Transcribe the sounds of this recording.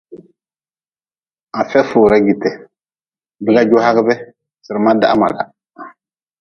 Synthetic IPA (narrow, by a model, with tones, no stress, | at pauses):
a˨fɛ˦foː˨ɾa˦ɡi˨tɛ˨ | bɪ˦ɡa˦d͡ʒo˦ɦa˦ɡɪ˦bɛ˦ | sɨ˨ɾɨ˨ma˦da̰˦a̰˦ma̰˨la̰˨